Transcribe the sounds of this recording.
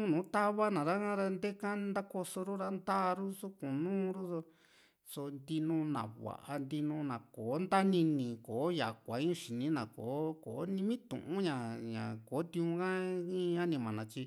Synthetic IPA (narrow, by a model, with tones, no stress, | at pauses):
ũ˦nũː˨˦t̪a˦βa˦nã˨ɾa˦kã˦ɾa˧nd̪e˦ka˦nd̪a˦ko˧so˧ɾu˦ɾa˦nd̪a˦˧ɾu˦su˦kũ˨nũː˦ɾu˦so˧ | so˧nd̪i˧nũ˧nã̰˨βa̰˨ʔa˧nd̪i˧nũ˧nã˨koː˨˦nd̪a˦nĩ˧nĩ˨koː˨˦ja˨kʷa˨˦ĩ˦ũ˧ʃi˨nĩ˦nã˨ko˨˦ko˨˦nĩ˧mĩ˦t̪ṵ̃˨ʔũ˦ɲã˨ɲã̰˨ko˨˦t̪ĩ˧ũ˧kã˦ĩ˦˧a˦nĩ˧mã˨nã˨t͡ʃi˧